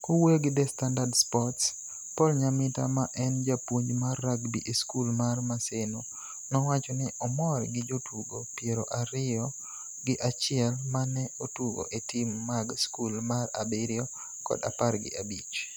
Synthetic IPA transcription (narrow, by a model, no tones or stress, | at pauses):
kowooɡɪdɛstandadspɔts | pɔlɲamɪta̰maʔɛnd͡ʒapwoɲmarːaɡbḭʔeskulmarmaseno | nɔwat͡ʃɔnɪʔɔmɔɾɡɪd͡ʒotʰuɡopjeɾoʔaɾɪɔ | ɡɪʔat͡ʃɪɛlmanɛotuɡo̰ʔetimːaɡskulmaɾa̰beɾɪɔ | kɔ̰da̰parɡɪ̰ʔabit͡ʃ